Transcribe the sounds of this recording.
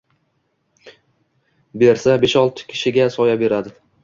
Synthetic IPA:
be̞ɾsabeʃɒlˠt̪ʰɪ̥kʲʰɪ̥ʃɪɡʲasɒjabe̞ɾad̪ɪ

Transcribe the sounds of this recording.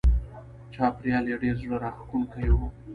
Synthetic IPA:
t͡ʃɑːpɾjɑleɖeɾzɽəɾɑxkunkajo

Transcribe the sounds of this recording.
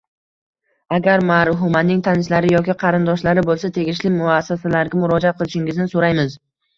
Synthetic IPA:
aɡʲaɾmaɾɦʊmanːɪŋt̪ʰanɪʃlaɾɪjɒkʲɪqʰɑɾɪnd̪ɒʃlaɾɪbolˠsat̪ʰe̞ɡʲɪʃlɪmʊasːasalaɾɡʲamʊɾɒd͡ʒaat̪̚qʰɨlˠɪʃɪŋɪznɪsoɾajmɪz

